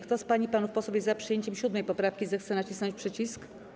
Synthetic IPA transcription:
kt̪ɔspaɲipanufpɔsɔbʲjɛzapʂɨjeɲt͡ɕɛmɕud̪mɛjpɔpɾafkʲizɛxt̪sɛnat͡ɕisnɔ̃ɲt͡ɕʲpʂɘt͡ɕisk

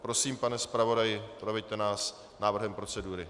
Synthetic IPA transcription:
pɾo̞siːmpanɛspɾavo̞dajɪpɾovɛjt̪ɛnaːs | naːvr̩ɦɛmpɾo̞t͡sɛduːɾɪ

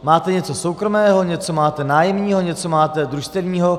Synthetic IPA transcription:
maːt̪ɛɲɛt͡so̞sowkɾo̞mɛːɦo̞ɲɛt͡so̞maːt̪ɛnaːjɛmɲiːɦoɲɛt͡somaːt̪ɛd̪ɾuʃt̪ɛvɲiːɦo̞

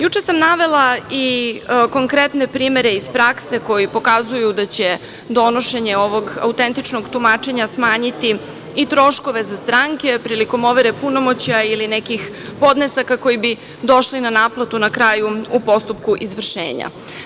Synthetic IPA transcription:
jut͡ʂe̞samnaʋe̞lˠaiko̞ŋkɾet̪ne̞pɾiːme̞ɾe̞ispɾakse̞ko̞jipo̞kazujud̪at͡ɕe̞ | d̪o̞noʃe̞ɲe̞o̞ʋo̞ɡa̰ut̪ent̪it͡ʃnoɡt̪umat͡ʃe̞ɲasmaːɲit̪iː | t̪ɾo̞ʃko̞ʋe̞zast̪ɾaŋke̞pɾiliko̞mo̞ʋeɾepunomot͡ɕiailinekix | po̞d̪ne̞sakako̞jibi | d̪o̞ʃlinanaːplˠat̪unakɾaːjuupo̞st̪upkuʔizʋr̩ʃḛːɲa̰

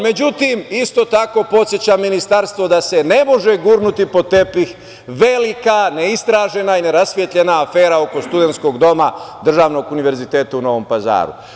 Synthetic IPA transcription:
me̞d͡ʑut̪imist̪o̞t̪ako̞po̞t̪sjet͡ɕamːinist̪aɾst̪ʋo̞d̪ase̞ne̞mo̞ʒeɡuɾnut̪ipo̞t̪e̞pix | ʋe̞likaneist̪ɾaːʒe̞naine̞ɾasʋjet̪ʎe̞naːfeːɾao̞ko̞st̪ud̪ent̪sko̞ɡd̪o̞mad̪r̩ʒaːʋno̞ɡuniʋe̞ɾzit̪e̞ːt̪auno̞ʋo̞mpaza̰ːɾṵ

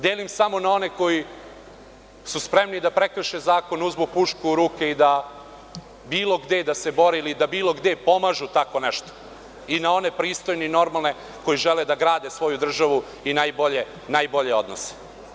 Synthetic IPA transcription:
d̪eːlimsamo̞nao̞ne̞ko̞ji | suspɾe̞mnid̪apɾekɾ̩ʃezaːko̞nuzmupuʃkuuɾuːkeid̪a | biːlˠo̞ɡd̪ed̪ase̞bo̞ɾeilid̪abiːlˠo̞ɡd̪epo̞maʒut̪ako̞neʃt̪o̥ | inao̞ne̞pɾiːst̪o̞jneino̞ɾmalˠne̞ | ko̞jiʒɛled̪aɡɾaːd̪esʋo̞jud̪r̩ʒaʋu | inaːjboʎe | naːjbo̞ʎeo̞d̪nose̥

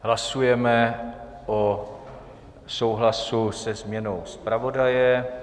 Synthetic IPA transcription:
ɦlasujɛmɛ | ʔo | sowɦlasusɛzmɲɛno̞wspɾavo̞dajɛ

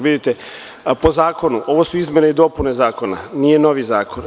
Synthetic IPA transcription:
ʋid̪it̪e | po̞zaːko̞nuʔo̞ʋosuizmʲe̞neid̪o̞pune̞zaːko̞na̰nije̞no̞ʋizaːko̞n

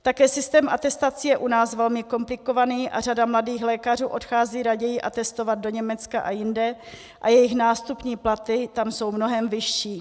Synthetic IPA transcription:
t̪akɛːsɪst̪ɛːmʔat̪ɛst̪at͡sɪjɛʔunaːsvɛlmɪko̞mplɪko̞vaniːʔa̰r̝adamladiːxlɛːkar̝uːʔo̞txaːziːɾaɟɛjɪʔat̪ɛst̪o̞vad̪̚do̞ɲɛmɛt͡skaʔajɪndɛ | ʔajɛjɪxnaːst̪upɲiːplat̪ɪt̪amso̞wmno̞ɦɛmvɪʃːiː

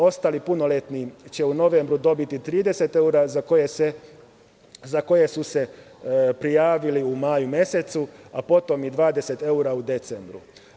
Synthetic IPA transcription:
o̞st̪alipuno̞let̪nit͡ɕe̞uno̞ʋe̞mbɾud̪o̞bit̪it̪ɾiːd̪e̞se̞t̪e̞uɾazakojese | zako̞je̞suse̞ | pɾijaːʋiliumajumje̞se̞t̪suapo̞t̪o̞mid̪ʋaːd̪e̞se̞t̪e̞uɾaud̪e̞t̪sembɾṵ

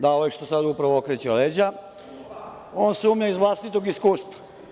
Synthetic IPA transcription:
d̪aojeʃt̪osad̪upɾaʋookɾet͡ɕeled͡ʑa | oːnsumɲaizʋlˠaːst̪it̪oɡiskuːst̪ʋa

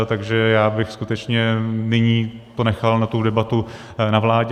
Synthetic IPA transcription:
t̪aɡʒɛjaːbɪxskut̪ɛt͡ʃɲɛnɪɲiːp̪onɛxalnat̪udɛbat̪u | navlaːɟ

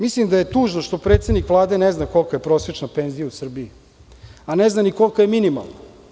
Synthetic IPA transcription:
mislimd̪aje̞t̪uːʒnoʃt̪o̞pɾet̪sed̪nikʋlˠaːd̪e̞neznako̞lkaje̞pɾo̞ːsjet͡ʃnapenzijausr̩bii | aneznaniko̞lkajeminima̰lˠna

